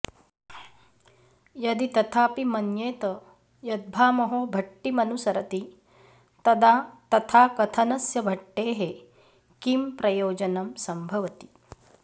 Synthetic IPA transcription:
jɐd̪it̪ɐt̪ʰaːpimɐnjeːt̪ɐ | jɐd̪̚bʱaːmɐɦoːbʱɐʈːimɐnusɐɾɐt̪i | t̪ɐd̪aːt̪ɐt̪ʰaːkɐt̪ʰɐnɐsjɐbʱɐʈːeːɦe | kimpɾɐjoːd͡ʒɐnɐmsɐmbʱɐʋɐt̪i̥

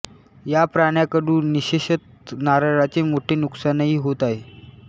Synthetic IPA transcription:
japɾaɽ̃jakəɽũːniɕeɕət̪ | naɾaɭat͡semoʈʰeːnuksanaɦiːɦot̪aɦe

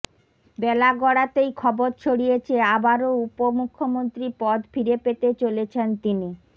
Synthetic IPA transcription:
bɛlaɡɔɽat̪ejkʰɔboɾt͡ɕʰoɽijet͡ɕʰeabaɾoupomukʰːomont̪ɾipɔd̪fiɾepet̪et͡ɕolet͡ɕʰent̪ini

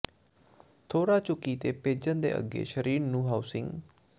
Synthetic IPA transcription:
t̪ʰoːɾaːt͡ʃʊkiːt̪eːpeːd͡ʒənd̪ḛːʔə̰ɡḛːʃəɾiːɾnũːɦaːʊsɪ̃ŋɡ

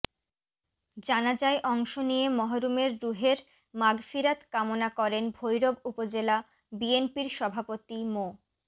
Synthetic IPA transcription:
d͡ʑanad͡ʑaeʔɔŋʃonijemɔɦoɾumeɾɾuɦeɾ | maɡfiɾat̪kamonakɔɾenbʱojɾoɡupod͡ʑela | bienpiɾʃɔbʱapot̪imo

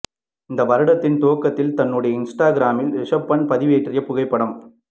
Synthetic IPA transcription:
ɪnd̪ɐʋɐɾɐɽɐt̪ːɪnt̪oːkːɐt̪ːɪlt̪ɐnːɯɽɐjɐɪnsʈaːɡɪɾaːmɪlɾɪʂɐpːɐɳpɐðɪʋeːʈrɪjɐpːʊɣɐɪpːɐɽɐm

